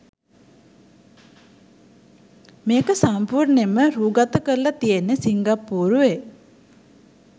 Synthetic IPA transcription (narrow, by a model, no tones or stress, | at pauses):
meːkəsampuɾneməɾuːɡat̪əkəlːɐt̪ijenːəsiŋɡapːuːɾuʋe